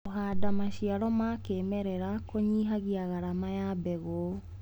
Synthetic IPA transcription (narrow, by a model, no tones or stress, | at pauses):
ohaːdamaɕiaɾɔmakeːmɛɾɛɾakoɲiːɦaɣiaɣaɾamajabɛɣo